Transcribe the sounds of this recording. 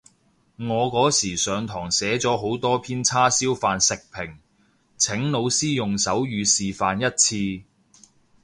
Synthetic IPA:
ŋɔː˨˧kɔː˨˥siː˨˩sœː˨˧ŋt̪ʰɔː˨˩ŋsɛː˨˥t͡sɔː˨˥ɦo˨˥wt̪ɔː˥pʰiː˥nt͡sʰaː˥siː˥wfaː˨˧nsɪ˨k̚pʰɪ˨˩ŋ | t͡sʰɪ˨˥ŋno˨˧wsiː˥jʊ˨ŋsɐ˨˥wjyː˨˧siː˨faː˨njɐ˥t̚t͡sʰiː˧

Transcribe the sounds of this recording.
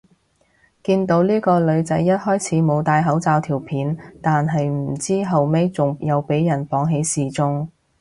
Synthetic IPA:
kiː˧nt̪o˨˥wliː˥kɔː˧lɵ˨˧ɥt͡sɐ˨˥jːɐ˥t̚hɔː˥jt͡sʰiː˨˥mo˨˧wt̪aː˧jɦɐ˨˥wt͡saː˧wt̪ʰiː˨˩wpʰiː˨˥nt̪aː˨nɦɐ˨jm̩˨˩t͡siː˥ɦɐ˨wme˥jt͡sʊ˨ŋjɐ˨˧wpe˨˥jːɐ˨˩npɔː˨˥ŋɦe˨˥jsiː˨t͡sʊ˥ŋ

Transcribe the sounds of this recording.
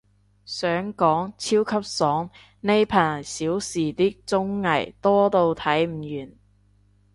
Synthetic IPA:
sœː˨˥ŋkɔː˨˥ŋt͡sʰiː˥wkʰɐ˥p̚sɔː˨˥ŋ | ne˧jpʰaː˨˩˨siː˨˥wsiː˨t̪iː˥k̚t͡sʊ˥ŋːɐ˨˩jt̪ɔː˥t̪o˧wt̪ʰɐ˨˥jm̩˨˩jyː˨˩n

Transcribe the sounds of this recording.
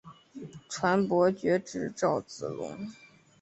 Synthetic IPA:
ʈ͡ʂʰwa˧˥npwɔ˧˥t͡ɕɥɛ˧˥ʈ͡ʂɻ̩˨˩ʈ͡ʂɑ˥˩ʊt͡sɹ̩˨˩lʊ̰˧˥ŋ

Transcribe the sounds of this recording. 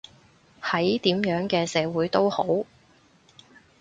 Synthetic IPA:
hɐ˨˥jt̪iː˨˥mjœː˨˥ŋkɛː˧sɛː˨˧wuː˨˥jt̪o˥who˨˥w

